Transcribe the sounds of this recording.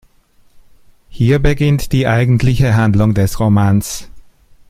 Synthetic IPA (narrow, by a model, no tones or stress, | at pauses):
hiːɐbəɡɪntd̥iːʔaɪɡn̩tʰlɪçəɦandlʊŋdɛsʁomaːns